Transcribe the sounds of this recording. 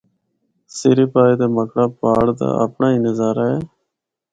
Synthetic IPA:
seːɾipaːed̪eːməkɽaːpaːɽd̪a̰ːə̰pnaːinəzaːɾaːɦɛː

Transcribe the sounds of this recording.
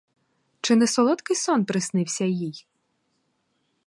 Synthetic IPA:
t͡ʃɪnɛsɔlˠɔt̪kɪjsɔnpɾɪsnɪwsʲɐjij

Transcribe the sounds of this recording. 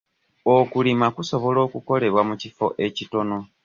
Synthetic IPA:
okulimakuso̞βo̞lo̞ːkuko̞le̞βwamucifo̞̰ʔe̞cito̞no̞

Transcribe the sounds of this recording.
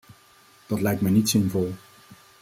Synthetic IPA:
d̥ɑtlɛjk̚tmɛjnitsɪnvɔlˠ

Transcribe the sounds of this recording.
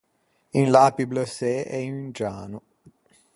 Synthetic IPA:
inlaːpibləsɛʔɛinynd͡ʒaːnu

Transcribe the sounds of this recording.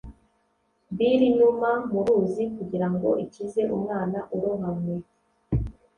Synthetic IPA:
βiɾiɲumamuɾuːzikuɟiɾaŋɡo̞̰ʔicize̞ʔumŋaːnaʔuɾoɦamwe

